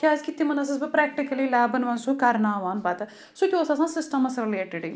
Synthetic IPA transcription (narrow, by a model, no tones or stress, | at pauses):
kʲazkit̪ːimɐnɐs̬ɐsbɐpɾɛːkʈikɐlilɛːbɐnʋɐnsukɐɾnaːʋaːnbɐt̪ɐ | sokʲoɐsãsãːsɪsʈɐmɐsɾɪleːʈɪɖiŋ